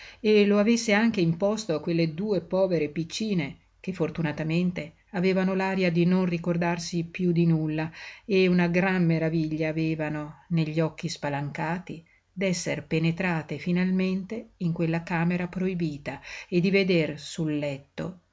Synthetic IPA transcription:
eloavesːeaŋk̟eimpɔst̪okwelːed̪uːepɔːveɾepit͡ʃːiːne | k̟efːort̪unat̪ament̪e | aveːvanolaːɾjad̪inonrikord̪arsipjud̪inulːaeunaɡɾamːeɾaviʎːaːveːvanoneʎːɔk̟ːispalaŋkaːt̪i | d̪ɛsːerpenet̪ɾaːt̪efinalment̪eiŋkwelːakaːmeɾapɾoibiːt̪aed̪ːived̪ersulːɛt̪ːo̰

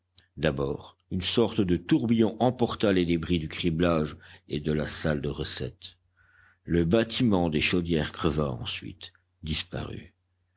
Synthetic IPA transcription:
d̪abɔːʁ | ynsɔʁt̪d̪ət̪uʁbijɔ̃ʔɑ̃pɔʁt̪aled̪ebʁid̪ykχiblaʒed̪əlasald̪əʁəsɛ̰t̪ | ləbat̪ʰimɑ̃d̪eʃod̪jɛʁkχəvaɑ̰̃sɥḭt̪ | d̪ispa̰ʁy̰

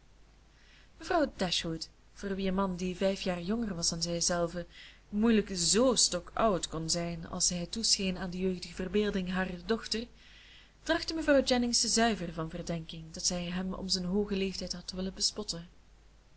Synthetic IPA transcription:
məvrɑwdɛʃhut | v̥oːrʋiənmɑndivɛjfjaːrjɔŋərʋɑsanzɛjzɛlˠvə | mujləkzoːstɔkʌwtkɔnzɛjnɑ̰lˠsɛjɦətusxenaːndəjøːɣdəɣəvərbeːlˠdɪŋɦaːrədɔxtər | d̥rɑxtəməvrɑwd͡ʒɛnɪŋstəzœɥvərvɑnvərdɛŋkɪŋdɑtsɛjɦɛmɔ̰mzənɦoːɣəleːftɛjtɦɑtəʋɪləbəspɔtə

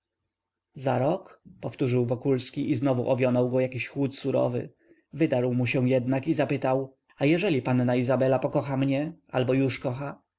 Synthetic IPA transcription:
za̰ɾɔkpɔft̪uʐɘwvɔkulskʲiʔiznɔvuʔɔvʲjɔnɔwɡɔjakʲiɕxwut̪suɾɔ̰vɘ̰ | vɘd̪aɾwmuɕɛw̃jɛd̪nakizapɘt̪aw | ajɛʐɛlʲipanːaizabɛlapɔkɔxamɲɛʔalbɔjuʂkɔxa

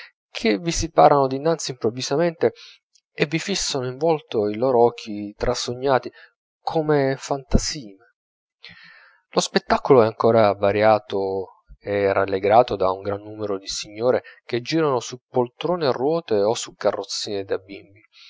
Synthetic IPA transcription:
kʰevisipaːɾanod̪inːant̪simpɾovːizament̪e | evːifisːanoiɱvɔlt̪oiloːɾoɔk̟ʰːit̪ɾʔasoɲːaːt̪i | kʰomefant̪asiːne | lospet̪ːakoloɛaŋkoːɾavaɾjaːt̪o | ɛra̰lːeɡɾaːt̪od̪auŋɡɾanːuːmeɾod̪isiɲːoːɾek̟ed͡ʒiːɾanosupolt̪ɾoːnearːwɔːt̪eosukːarːot̪sːiːned̪abḭmbi

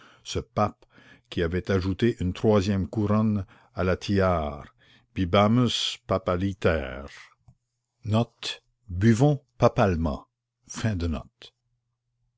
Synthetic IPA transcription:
səpap | kʲiavɛt̪aʒut̪eʔynt̪ʁwazjɛmkuɾɔn | alat̪ʰiaːʁ | b̥ibaməspapalit̪ɛːʁ | nɔt̪ | byvɔ̃papalmɑ̰̃ | fɛ̃d̪ənɔ̰t̪

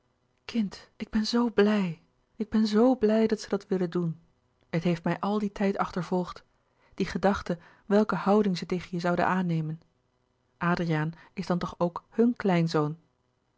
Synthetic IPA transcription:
kʰɪntɪɡ̚bɛnzowblɛj | ʔɪɡ̚bɛnzowblɛjdɑtsədɑtʋɪləndun | ɦətɦejftmɛjʔɑlˠditʰɛjtɑχtəɹvɔlˠχt | d̥iχədɑχtə | ʋɛlˠkəhɑwdɪŋzətejχənjəzɑwdə̰naːnejmən | ʔaːdriaːnɪzdɑntɔχowkhɵnklɛjnzown

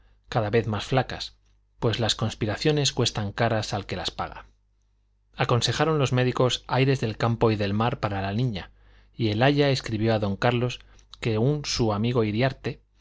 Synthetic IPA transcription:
kaðaβe̞θmasflaka̰s | pwe̞zlasko̞nspiɾaθjo̞ne̞skwe̞st̪aŋkaɾasalke̞laspa̰ɣ̞a̰ | ako̞nse̞xaɾo̞nlo̞zme̞ðiko̞sajɾe̞zðe̞lkampo̞iðe̞lmaɾpaɾalanĩɲa | ie̞laʎae̞skɾiβjo̞aðo̞ŋkaɾlo̞s | ke̞unsuamiɣ̞o̞iɾjaɾt̪e̞

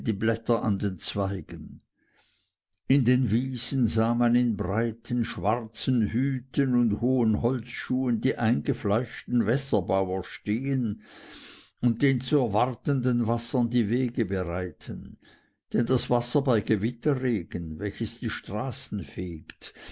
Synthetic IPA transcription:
diːblɛtɐʔa̰ndent͡sv̥aɪɡ̥ən | ɪndeːnviːz̥n̩zaːmanɪnbʁaɪtʰənʃv̥aʁt͡sənhyːtʰənʊndhoːənhɔlt͡sʃuːəndiːʔaɪnɡəflaɪʃtn̩vɛsɐbaʊɐʃteːən | ʊn̚d̥eːnt͡suɛɐvaʁtəndənvasɐndiːveːɡəbəʁaɪtʰən | d̥ɛnd̥asv̥asɐbaɪɡəvɪtɐʁeːɡ̥ənvɛlçəsd̥iːʃtʁ̥aːsn̩feːkt

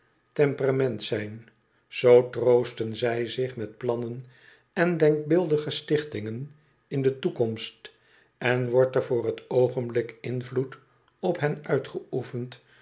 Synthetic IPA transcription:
tɛmpəramɛntsɛjn | z̥owtrowstənzɛjzɪχmɛt̚plɑnən | ɛndɛŋk̚bɪlˠdəχəstɪχtɪŋən | ɪndətukɔmst | ɛnʋɔɹtɛɹvʊːrɦətowχənblɪkɪnvlut | ɔpɦɛnœɥtχəufənt

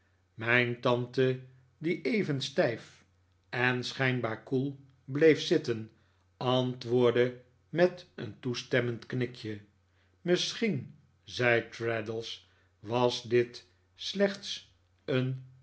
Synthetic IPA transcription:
mɛjntɑntə | diʔejvənstɛjf | ɛnsχɛjnbaːɹkulˠ | blejfsɪtən | ɑntʋʊːɹdə | mɛtə̰ntustɛməntknɪkʰjə | məsχin | zɛjtɹɛdəlˠs | ʋɑsdɪt | slɛχts | ən

